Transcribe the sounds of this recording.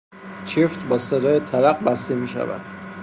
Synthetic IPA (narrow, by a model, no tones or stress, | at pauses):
t͡ʃʰeft̪bɒːsed̪ɒːjet̪ʰælæɢ̚bæst̪e̞miːʃæ̰væ̰d̪̥